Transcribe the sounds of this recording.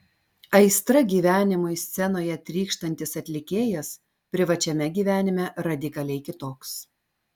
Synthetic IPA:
ɐɪst̪ɾɐɡʲiːʋʲæːnʲɪmʊɪsʲt̪sʲɛnoːjɛt̪ʲɾʲiːkʃt̪ɐnʲt̪ʲɪsɐt̪ʲlʲɪkʲeːjɛs | pʲɾʲɪʋɐt͡ʃʲɛmʲɛɡʲiːʋʲæːnʲɪmʲɛɾɐd̪ʲɪkɐlʲɛɪkʲɪt̪oːks

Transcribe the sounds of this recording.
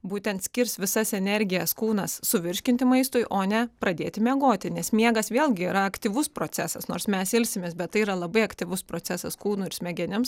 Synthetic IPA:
buːt̪ʲɛnt̪sʲkʲɪɾʲsʋʲɪsɐsɛnʲɛɾʲɡʲɪjɛskuːnɐssʊʋʲɪɾʲʃʲkʲɪnʲt̪ʲɪmɐɪst̪ʊɪʔoːnʲɛpɾɐd̪ʲeːt̪ʲɪmʲɛɡoːt̪ʲɪnʲɛsmʲiɛɡɐsʋʲeːlʲˠɡʲɪiːɾɐɐkt̪ʲiːʋʊspɾoːsʲæsɐsnoːɾsmʲɛsɪlʲsʲɪmʲeːsbʲɛt̪̚tɐɪiːɾɐlˠɐbɐɪɐkt̪ʲiːʋʊspɾoːt̪t͡ssʲæsɐskuːnʊɪɾsʲmʲɛɡʲɛnʲɪms

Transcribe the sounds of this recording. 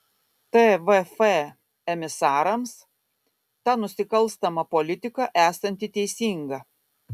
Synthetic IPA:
t̪eʋɛfɛ | ɛmʲɪsɑːɾɐms | t̪ɑnʊsʲɪkɐlˠst̪ɐmɐpɔlʲɪt̪ʲɪkɐʔæːsɐnʲt̪ʲɪt̪ʲɛɪsʲiːŋɡɐ

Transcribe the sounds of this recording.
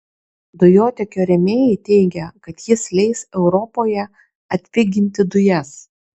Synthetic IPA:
d̪ʊjoːt̪ʲɛkʲoːɾʲɛmʲeːjɛɪt̪ʲɛɪɡʲɛkɐt̪jɪslʲɛɪsɛʊɾɔpoːjɛ | ɐt̪ʲʋʲɪɡʲɪnʲt̪ʲɪd̪ʊjɛs

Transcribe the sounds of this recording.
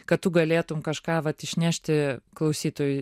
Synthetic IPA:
kɐt̚t̪ʊɡɐlʲeːt̪ʊmkɐʃkɑːʋɐt̪ɪʃʲnʲæʃʲt̪ʲɪklˠɐʊsʲiːt̪oːjʊ

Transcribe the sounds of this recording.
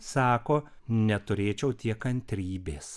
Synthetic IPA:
sɑːkoː | nʲɛt̪ʊɾʲeːt͡ʃʲɛʊt̪ʲiɛkɐnʲt̪ʲɾʲiːbʲeːs

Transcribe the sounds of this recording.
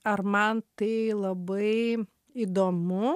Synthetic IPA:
ɐɾmɐnt̪ɐɪlˠɐbɐɪ | id̪oːmʊ

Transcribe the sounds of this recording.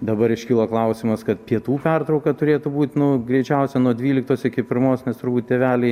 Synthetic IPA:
d̪ɐbɐɾɪʃʲkʲɪlˠoːklˠɐʊsʲɪmɐskɐt̪pʲiɛt̪uːpʲɛrt̪ɾɔʊkɐt̪ʊɾʲeːt̪ʊbuːt̪ʲnʊɡɾʲɛɪt͡ʃʲɛʊsʲɛnuɔd̪ʲʋʲiːlʲɪkt̪oːsɪkʲɪpʲɪɾmoːsnʲɛst̪ʊɾbuːt̪̚ʲt̪ʲeːʋʲæːlʲɛɪ

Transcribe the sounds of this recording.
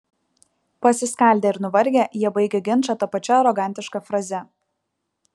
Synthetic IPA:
pɐsʲɪskɐˑlʲd̪ʲɛɪɾnʊʋɐɾʲɡʲejiɛbɐɪɡʲɛɡʲɪnˑt͡ʃɐt̪ɐpɐt͡ʃʲɛɐɾɔɡɑˑnʲt̪ʲɪʃkɐfɾɐzʲɛ

